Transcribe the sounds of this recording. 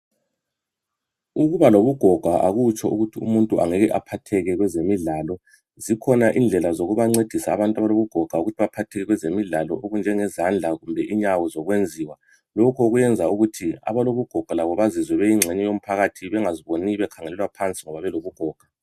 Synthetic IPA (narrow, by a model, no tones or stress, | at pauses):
uɣuβaloβuɡ̥ʱɔɡ̥ʱaʔaɣut͡ʃʰʼɔuɣutʰiṵmuntʼuʔa̰ŋeɣɛʔapʰatʰɛɣɛɣwɛzemiɮaːlɔ | zikʰɔnaʔind͡ɮʱɛlazoɣuβaŋ͡ǀed̥ʱisaːβantʼaβaloβuɡ̥ʱɔɡ̥ʱauɣutʰiβapʰatʰɛɣɛɣwɛzemiɮalɔ̰ʔoɣund͡ʒʱɛŋɛzand͡ɮʱaɣumbʱɛʔiɲawɔzɔɣwend͡zʱiːwa | lokʰɔuɣujɛnd͡zʱauɣutʰia̰βaloβuɡ̥ʱɔɡ̥ʱwalaβɔβazizwɛβɛiŋ͡ǁʱɛɲɛjom̩pʰaɣatʰiβɛŋaziβoniβɛkʰaŋɛlɛlwapʰant͡sʼiŋɔβaβɛloβuɡ̥ʱɔːɡ̥ʱa